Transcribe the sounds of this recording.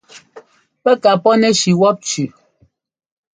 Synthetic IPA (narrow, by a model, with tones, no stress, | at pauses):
pɛ˦ka˨pɔ˦nɛ˦ʃi˨wɔ˦p̚t͡ʃʉ˨